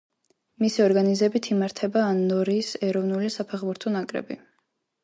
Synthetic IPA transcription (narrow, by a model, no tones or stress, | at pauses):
misiɔɾɡanizɛbit̪ʰimaɾt̪ʰɛbaːnːɔɾiːsɛɾɔvnulisapʰɛχbuɾt̪ʰɔnakʼɾɛ̰bi